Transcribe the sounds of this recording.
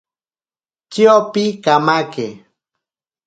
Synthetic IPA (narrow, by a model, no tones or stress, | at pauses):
t͡ʃiopikamake